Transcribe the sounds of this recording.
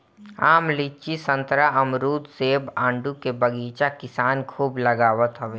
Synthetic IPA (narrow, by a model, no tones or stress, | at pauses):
aːmliːt͡ʃisə̃nt̪ɾaɐmɾuːt̪seːbãːɳɖukebəɡiːt͡ʃakɪsaːnkʰuːblɐɡaːʋət̪ɦoʋeː